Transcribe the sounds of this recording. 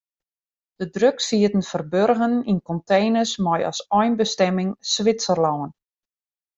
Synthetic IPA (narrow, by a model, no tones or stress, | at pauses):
d̥ədrøksiətən̩fərbørɣəninkɔntejnəsmɔjɑ̰sɔjnbəstɛmɪŋsʋɪtsərlɔwən